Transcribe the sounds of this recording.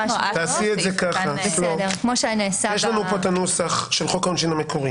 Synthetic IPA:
taːsietzekaχabelodekmoʃeanisajeʃlanupotanusaχʃe̞lχokaonʃinamekʰoʁi

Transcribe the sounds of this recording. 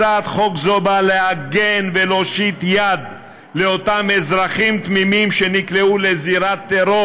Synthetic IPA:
at̪χokzobaleaɡenveloʃit̪jad̪ | leot̪amezʁaχimt̪mimimʃenikleuleziɾat̪ːeɾo

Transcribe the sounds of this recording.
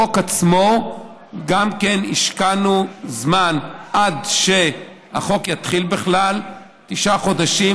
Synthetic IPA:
okat͡smo̞ | ɡamkenḭʃkanuzmanʔadʃe̞ | ha̰χo̞kjat̪χilbeχlal | t̪iʃaχo̞daʃi

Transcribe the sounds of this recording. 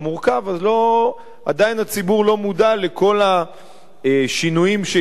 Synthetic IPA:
muʁkavazlo̞ | ad̪ainat͡sibuʁlo̞mudalekʰo̞la | ʃinujimʃe

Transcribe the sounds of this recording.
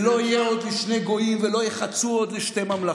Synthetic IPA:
lo̞ijeo̞d̪liʃne̞ɡo̞imvelo̞jeχat͡suod̪liʃte̞mamla

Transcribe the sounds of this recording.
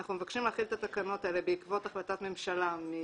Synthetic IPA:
aχnumevakʃimlaːχilet̪at̪akano̞t̪aele̞beikvo̞t̪aχlat̪at̪me̞mʃalami

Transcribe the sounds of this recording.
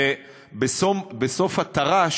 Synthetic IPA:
e | besobesofhat̪aʁaʃ

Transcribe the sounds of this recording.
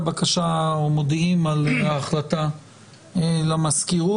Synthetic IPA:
bakaʃaomod̪imalaːχlata | lamaskiʁu

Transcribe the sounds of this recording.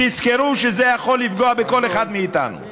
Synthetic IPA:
iskeɾuʃezejaχo̞lːifɡoabeko̞leχad̪miːt̪a̰nṵ

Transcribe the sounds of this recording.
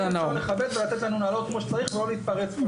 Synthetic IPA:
anaeχabed̪velat̪et̪lanunaːlo̞t̪̚kmoʃe̥t͡saʁiχvelo̞leit̪paʁet͡s

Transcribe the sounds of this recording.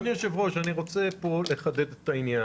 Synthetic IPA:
nijoʃevʁoʃaniʁo̞t͡se̞po̞le̞χad̪ed̪et̪ainja

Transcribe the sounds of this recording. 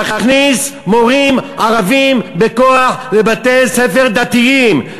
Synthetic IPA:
χaχnismoʁimaʁavimbekoaħlebat̪elsefeʁd̪at̪iim

